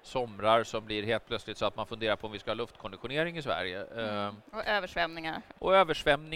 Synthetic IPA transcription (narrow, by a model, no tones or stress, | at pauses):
sɔmɾaɾsɔmblɪɾɦeːlt̪̚pʰlœt̪slɪɡt̪sɔat̪̚manfɵnd̪eːɾaɾpʰɔmvɪskahɑːlɵft̪kʰɔnd̪ɪɧʊneːɾɪŋɪsvæ̰ɾjə̰ | ɔʔøːvəʂvɛmnɪŋaɾʔɔøːvəʂvɛmnɪ